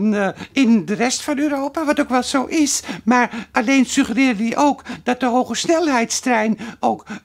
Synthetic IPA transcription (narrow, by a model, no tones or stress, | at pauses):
nɪndərɛstfɔnøːɾoːpaʋɔtokʋɛlˠsoːʔɪsmaraleːnsyxərɪərədiʔoːkd̥ɔt̚dəɦoːɣəsnɛlˠhɛjtstrɛjnoːk